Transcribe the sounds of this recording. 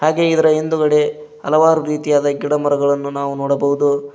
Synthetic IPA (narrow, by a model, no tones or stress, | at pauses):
haːɡe̞id̪ɐɾɐɦend̪uɡɐɽe̞ | ɐ̰lɐʋaːɾuɾiːt̪ijaːd̪ɐɡiɽɐmɐɾɐɡɐɭɐnːunaːʋunɔːɽɐbɐɦud̪u